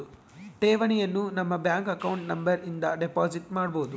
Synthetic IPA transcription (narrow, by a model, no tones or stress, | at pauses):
ʈeːʋɐɳijɐnːunɐmːɐbjaːŋkɐkɐwuɳʈnɐmbɐɾind̪ɐɖepaːd͡ʒiʈmaːɽbo̞ːd̪u